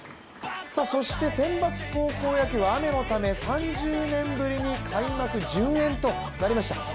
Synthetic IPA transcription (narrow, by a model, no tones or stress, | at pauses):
saso̞ɕi̥t̪e̞sẽ̞mbat͡sɨ̥ko̞ːko̞ːjakiβaːme̞no̞t̪ame̞sãɲd͡ʑɨːnẽ̞mbɯ̟ɾʲiɲ̟ikʰaimakɯ̟d͡ʑɨ̃ɰ̃ẽ̞nt̪o̞ | naɾʲimaɕi̥t̪a̰